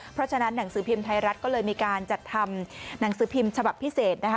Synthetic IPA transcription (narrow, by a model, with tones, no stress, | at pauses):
pʰɾɔ˦˥t͡ɕʰa˧na˦˥nːa˩˦ŋsɯː˩˦pʰi˧mt̪ʰa˧jɾa˦˥t̪̚kɔ˥˩lɤː˧jmiː˧kaː˧nt͡ɕa˨˩t̪ʰːa˧mna˩˦ŋsɯː˩˦pʰi˧mt͡ɕʰa˧ba˨˩pʰːi˦˥seː˨˩t̪̚na˦˥kʰa˦˥